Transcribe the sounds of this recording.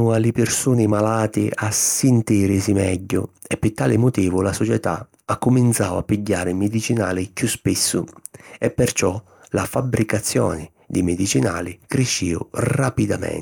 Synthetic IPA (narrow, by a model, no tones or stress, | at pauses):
ualɪpɪrsuːnɪmalaːt̪ɪʔasɪnt̪iːɾɪsimɛ̰ɟːʊ̰ɛpːɪt̪ːaːlɪmʊt̪iːvʊlasɔt͡ʃɛt̪a̰ | akːʊmint̪sawapːiɟːaːɾɪmɪd̪it͡ʃinaːlɪkjuspisːʊɛpːɛrt͡ʃɔ | lafabːɾikat̪sːjɔ̰ːnɪ | d̪imed̪it͡ʃina̰ːlɪkɾeʃːiʊ̰rapid̪amɛ̰n